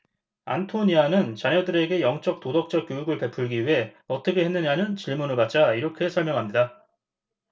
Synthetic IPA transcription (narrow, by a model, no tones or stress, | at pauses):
a̰ntʰoɲianɯnt͡ɕaɲʌdɯɾe̞ɡe̞jʌŋt͡ɕ͈ʌk̚t͈odʌk̚t͡ɕ͈ʌk͈jojuɡɯɭpe̞pʰuɭɡiɦe̞ʌt͈ʌkʰe̞ɦe̞nːɯɲanɯnt͡ɕiɭmunɯɭpat̚t͡ɕ͈aiɾʌkʰe̞sʰʌɭmjʌŋɦamɲida